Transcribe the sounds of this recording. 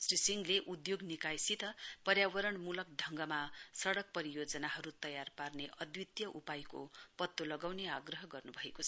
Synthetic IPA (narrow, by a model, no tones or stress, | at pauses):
srisiŋɡleʔud̪joɡnikajsit̪ʌpʌɾjawʌɾʌɳmulʌk̚d̪ʱʌŋɡʌmasʌɽʌk̚pʌɾijod͡zʌnaɦʌɾut̪ʌjarparneʔʌd̪wit̪jʌʔupajko̰pʌt̪ːolʌɡawneaɡrʌɦʌɡʌrnubʱʌekot͡sʰ